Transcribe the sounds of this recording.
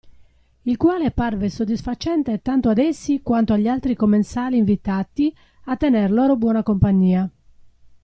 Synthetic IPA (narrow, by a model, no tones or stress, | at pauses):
ilkwaːleparvesod̪ːisfat͡ʃɛnt̪et̪ant̪oad̪ɛsːikwant̪oaʎːialt̪ɾikomːensaːliːɱvit̪at̪i | at̪ːɛnɛrlɔːɾobwɔːnakompaɲːiːa